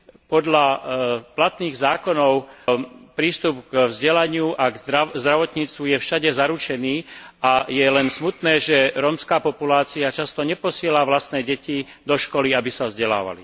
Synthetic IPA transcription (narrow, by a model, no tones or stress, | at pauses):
pɔd̪ʎaplat̪niːɣzaːkɔnɔʊpɾiːst̪upɡvzɟɛlaɲɪuʔaɡ̪azd̪ɾaʋɔt̪ɲiːt͡st̪ʋujɛfʃaɟɛzaɾut͡ʃɛniːʔajɛlɛnsmut̪nɛːʒɛɾɔːmskaːpɔpulaːt͡siat͡ʃast̪ɔɲɛpɔsɪɛlaʋlast̪nɛːɟɛci | d̪ɔʃkɔliabisavzɟɛla̰ːʋa̰lḭ